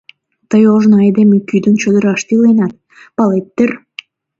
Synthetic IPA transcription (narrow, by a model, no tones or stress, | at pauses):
t̪əjoʒnoed̪emikyd̪ə̆nt͡ɕød̪ə̆ɾɑʃt̪ilenɑt̪̚ | pɑlet̪ːər